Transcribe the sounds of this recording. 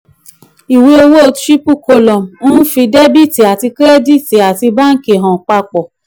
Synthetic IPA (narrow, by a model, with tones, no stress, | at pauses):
i˨we˧o˧wo˦o˧tɾi˦pu˦˨ko˧lɔ̃˨m̩˨ũ˦fĩ˧de˦bi˦˨ti˨a˨ti˧kɾɛ˦di˦˨ti˨a˨ti˧ba˦n̩˦ke˨ɦã˨k͡pa˧k͡pɔ˨